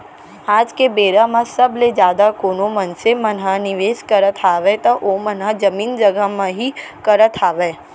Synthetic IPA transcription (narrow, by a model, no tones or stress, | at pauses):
aːd͡ʒkebeːɾamãsɐbled͡ʒjaːd̪akoːnomɐnsemɐnɦãnɪʋeːskɐɾət̪ʰaːʋet̪ɐʔoːmɐnɦad͡ʒɐmiːnd͡ʒɐɡamãɦikɐɾət̪ʰaːʋeː